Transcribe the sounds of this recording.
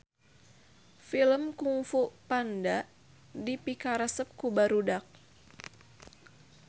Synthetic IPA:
filəmkuŋfuʔpandaʔ | dipikaɾasəp̚kubaɾudak̚

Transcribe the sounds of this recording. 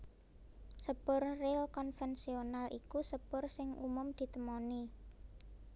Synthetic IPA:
səb̥ʊrrɪlkɔnfɛnsionalʔikusəb̥ʊrsɪŋʔṵmʊmd̪̥i̤t̪əmoni

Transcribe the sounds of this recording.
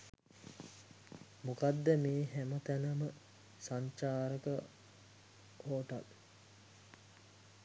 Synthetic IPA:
mukad̪ːəmeːɦæmət̪ænəmə | saɲt͡ʃaːɾəkə | oːʈa̰l

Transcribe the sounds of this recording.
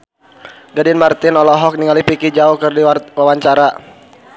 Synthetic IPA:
ɡadɪnmart̪ɪnɔlɔɦɔk̚niŋalipikid͡ʒaukɨrdiwawaɲt͡ʃaɾa

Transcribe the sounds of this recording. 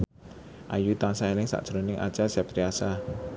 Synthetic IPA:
ʔa̰jut̪aŋsaelɪŋsa̰ʔd̥ʒ̥ɾo̤nɪŋʔa̰t͡ʃasap̚t̪ɾiasa

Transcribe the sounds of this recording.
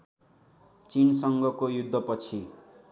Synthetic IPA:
t͡sinsʌŋɡʌkojud̪ʱːʌpʌt͡sʰi

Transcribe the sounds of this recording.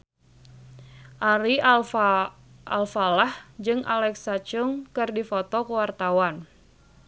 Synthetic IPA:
ʔaɾi | ʔa̰lfalahd͡ʒɨŋʔa̰lɛksat͡ʃʊŋkɨrdifɔt̪ɔkəwart̪awan

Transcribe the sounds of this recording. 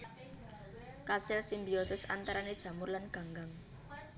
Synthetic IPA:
kasɪlsimbiɔsɪsant̪aɾaned̥ʒ̥ä̤mʊrlanɡ̥ä̤ŋɡaŋ

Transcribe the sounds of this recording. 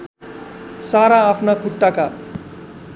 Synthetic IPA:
saɾaːpʰnakʰuʈːaka

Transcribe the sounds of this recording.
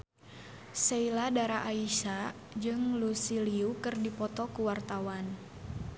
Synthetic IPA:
seiladaɾaʔaiʃa | d͡ʒɨŋlusiliukɨrdipɔt̪ɔkuwart̪awan

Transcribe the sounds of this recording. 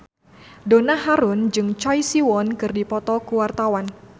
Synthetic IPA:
donaɦaɾʊnd͡ʒɨŋt͡ʃɔjsiwɔnkɨrdipɔt̪ɔkuwart̪awan

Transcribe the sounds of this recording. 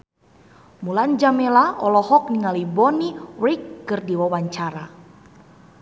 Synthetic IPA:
muland͡ʒamɛlaʔɔlɔhɔk̚niŋalibɔniwikːɨrdiwawaɲt͡ʃaɾa

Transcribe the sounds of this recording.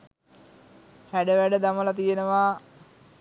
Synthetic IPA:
hæɖəʋæɖəd̪aməlat̪̬ijenəʋaː

